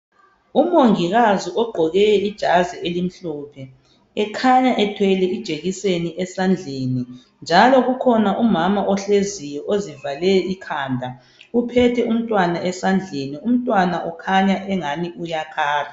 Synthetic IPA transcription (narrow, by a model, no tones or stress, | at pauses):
umoŋiɣaziʔɔɡ͡ǃʱɔɣɛjɛid̥ʒ̥ʱazɛelim̩ɬɔːpʰɛ | ɛkʰaɲaʔɛtʰwɛlɛid̥ʒ̥ʱeɣiseniʔɛsand͡ɮʱeni | nd͡ʒʱalɔɣukʰɔnaʔumamaʔɔɬezijɔʔozivalɛikʰaːndʱa | upʰɛtʰɛum̩tʼwanaʔɛsand͡ɮʱenium̩tʼwanaʔɔkʰaɲaʔɛŋaniujakʰaːra